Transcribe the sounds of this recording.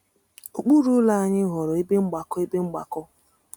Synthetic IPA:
o˨k͡pu˦ɾu˦la˦a˦˨ɲɪ˦ɦɔ˨ɾɔ˨i˦be˦ŋ͡m̩˦ɡ͡ba˨kɔ˦i˦be˦ŋ͡m̩˦ɡ͡ba̰˨kɔ˦

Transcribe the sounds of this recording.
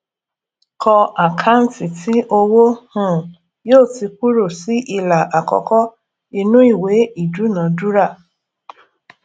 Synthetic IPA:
kʰɔ˧a˨kʰa˦n̩˦ti˨tʰi˦ʔo˧wo˦hũ˦˨ | joː˦˨ti˧k̚u˦ɾo˦˨si˨˦ʔi˧la˨ʔa˨kɔ̰˨kɔ˦ | i˧nũ˦i˦˨we˨˦i˦˨du˨˦nã˨˦du˦ɾa˦˨

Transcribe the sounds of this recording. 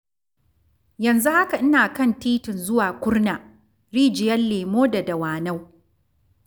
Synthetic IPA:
jɐ˨nzu˦ha˦ka˨ʔɪ˦naː˨kɐ˦˨ntiː˦tɪ˨nzʊ˦waː˨kʷʊ˦rnaː˨ | ɾiː˦d͡ʒɪ˨jɐ˦nleː˨moː˦da˨da˨waː˨na˦w

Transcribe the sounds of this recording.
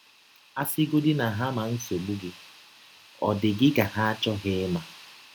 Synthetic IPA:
a˦sɪ˦ɡʊ˦dɪ˦na˨ɦa˦ma˨n̩˦so˨lu˦ɡɪ˦ | ɔ̰˨dɪ˨ɡɪ˦ɡa˨ɦa˦a˦t͡ʃɔ˦ɦɪ˦ma˨

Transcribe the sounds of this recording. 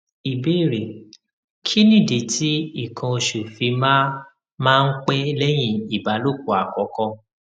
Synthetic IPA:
i˨be˦˨ɾe˨ | kʰi˦nĩ˦˨di˨˦tʰi˦i˦˨kʰã˧o˧ʃu˨fi˧mã˦ | mãː˦˧n̩˦k͡pe˦lɛ˦j̃ĩ˦i˨ba˨˦lo˦˨k̚o˨˦˨a˨kɔ˨˦kɔ̃˧

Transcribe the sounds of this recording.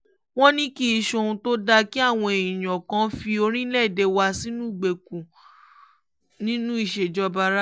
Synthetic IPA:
w̃ɔ̃˦nĩ˦ki˦i˧ʃo˧˨ũ˧to˦da˧ki˦a˦˨w̃ɔ̃˧e˨ĩ˨j̃ɔ̃˨kã˧˦fi˧o˧ɾ̃ĩ˦lɛ˦˨de˨˧wa˧si˦nũ˦i˦˨ɡ͡be˨kũ˨ | nĩ˦nũ˦i˦˨ʃe˨d͡ʒɔ˦ba˧ɾa˦

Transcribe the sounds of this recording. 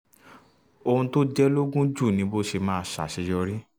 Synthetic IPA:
o˧hũ˧to˦d͡ʒɛ˦lo˦ɡũ˦d͡ʒu˦˨nĩ˧˦bo˦ʃe˧mãː˦˨ʃa̰˨ʃɛ˨˧jɔ˧ɾi˦

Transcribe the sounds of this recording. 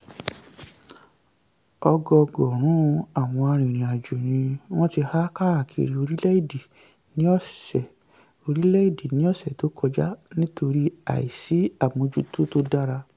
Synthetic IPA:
ɔ˧ɡɔ˧ɡɔ˨ɾ̃ũ˨˦˧a˨w̃ɔ̃˧a˧ɾ̃ĩ˨ɾ̃ĩ˨a˨d͡ʒo˨ɾ̃ĩ˧w̃ɔ̃˦ti˧ha˦ka˦ɾa˦˨kʰḛ˨ɾi˧o˧ɾi˦lɛ˦i˦˨de˨ | nĩ˦ɔ˦˨sɛ˨ | o˧ɾi˦lɛ˦i˦˨de˨nĩ˦ɔ˦˨sɛ˨to˨˦kʰɔ˧d͡ʒa˦nĩ˦to˧ɾi˦a̰˦˨i˨si˨˦a˦˨mõ˧d͡ʒu˦to˦to˦da˦ɾa˧

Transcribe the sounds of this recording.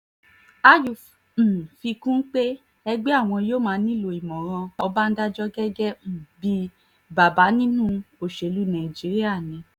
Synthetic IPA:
a˦ju˨ | m̩˨fi˧kũ˦n̩˦k͡pe˦ | ɛ˧ɡ͡bɛ˦a˦˨w̃ɔ̃˧joː˦˨mãː˧˦nĩ˦˨lo˧˨i˨mɔ̃˨ɾ̃ã˧ɔ˧ba˦n̩˦da˦d͡ʒɔ˦ɡɛ˦ɡɛ˦˨bi˧ | ba˨ba˨˦nĩ˦nũ˦o˨ʃe˨˦lu˨˦nã˨d͡ʒi˨˦ɾi˦a˦˨nĩ˨˧˦

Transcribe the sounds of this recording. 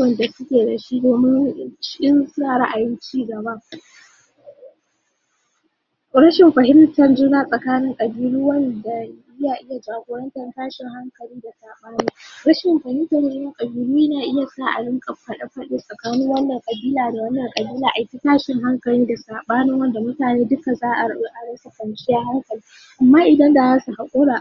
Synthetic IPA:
wɐ˦˨nda˨sʊ˦kʲeː˨dɐ˨ʃiː˦doː˨mɪ˦nʃʔɪ˦nsʊ˦naː˨ɽɐ˦ʔa˨jɪ˦nt͡ʃiː˦ɡɐ˨ba˦ | ɾɐ˦ʃɪ˨mɸɐ˨ɦɪ˦mtɐ˨rd͡ʒʊ˦naː˦sʼɐ˨kaː˦nɪ˦ŋkʼɐ˨biː˦lu˦wɐ˦nda˨ɪ˦jaː˨ʔɪ˦ja˨d͡ʒaː˨ɡʷoː˨ɾɐ˦ntɐ˨rtaː˦ʃɪ˨ŋha˦ŋkɐ˨liː˦da˨saː˨ɓaː˦ni˦ɾɐ˦ʃɪ˨mɸɐ˨hɪ˦ntɐ˨ɾɪ˦ɪ˦ŋkʼɐ˨biː˦luː˦naː˨ʔɪ˦ja˨saː˦˨ʔa̰˨ɽɪ˦ŋkʼɐ˨ɸɐ˨ɗɐ˦ɸɐ˦ɗi˦sʼɐ˨kaː˦nɪ˦ŋwɐ˦nːɐ˨ŋkʼɐ˨biː˦laː˨da˨wɐ˦nːɐ˨ŋkʼɐ˨biː˦laː˨ʔa˨jkʲi˦taː˦ʃɪ˨ŋɦa˦ŋkɐ˨liː˦da˨saː˨ɓaː˦nɪ˦ŋwɐ˦nda˨mʊ˦taː˨neː˦dʊ˦ka˨zaː˦ʔa˨˦ʔa˨ɽɐ˦sa˨kɐ˨nt͡ʃɪ˦jaː˦ha˦ŋkɐ˨liː˦ | ʔa˨mːaː˦ʔɪ˨dɐ˦nda˨zaː˦su˨ha˨kʷʼoː˦ɽaː˨

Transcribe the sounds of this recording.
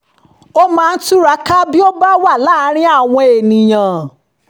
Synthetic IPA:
o˦mãː˧n̩˦tu˦ɾa˧˦ka˦bi˦o˦ba˦wa˦˨la˦ɾ̃ĩ˦a˦˨w̃ɔ̃˧e˨nĩ˨j̃ã˨

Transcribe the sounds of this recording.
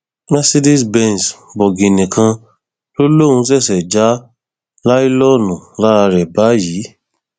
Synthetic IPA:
ma˦si˦di˦sbɛ̃˧n˨sbɔ˨ɡĩ˨nĩ˨kʰã˧ | lo˦lõ˦˨ũ˧s̬ɛ˦˨sɛ˨d͡ʒa˨˦ | la˦i˦lɔ˦nũ˨la˦ɾa˧ɾɛ˨ba˨˦jiː˨˦

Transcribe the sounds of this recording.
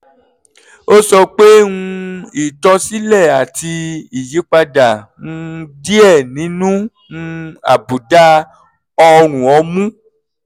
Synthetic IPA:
o˦sɔ˧k͡pe˦ũ˧i˨tɔ̃˧si˦lɛ˦˨a˨ti˧i˨ji˨˦k͡pa˧da˨ũ˧di˦ɛ˦˨nĩ˨˦nũ˦ | ũ˧a̰˨bu˨da˦ | ɔ˧ɾ̃ũ˨ɔ˨˧˦mũ˦

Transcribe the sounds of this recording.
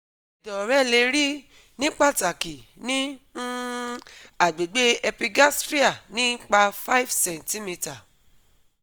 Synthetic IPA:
i˨dɔ˨ɾɛ˦˨le˧ɾi˦ | nĩ˦k͡pa˦˨ta˨ki˨nĩ˦ | a˨ɡ͡be˨ɡ͡be˦ɛ˧pi˧ɡa˦stɾi˦a˦˨nĩ˦k͡pa˧fa˦i˦fsɛ̃˨n˨ti˦mi˧ta˨

